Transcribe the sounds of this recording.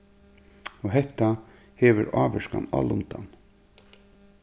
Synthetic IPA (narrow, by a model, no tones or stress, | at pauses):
ɔɦɛht̪a | heːʋʏɾaːʋɛʂkana̰ːlʊnt̪an